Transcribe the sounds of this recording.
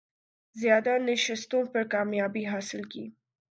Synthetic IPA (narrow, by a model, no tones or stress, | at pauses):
zjɑːd̪anɪʃɪst̪õpəɾkɑmjɑbiɦɑsɪlkḭ